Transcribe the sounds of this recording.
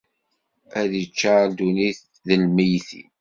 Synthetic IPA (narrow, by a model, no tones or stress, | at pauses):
æðit͡ʃːaɾd̪uniθ | ðəlməjθḭ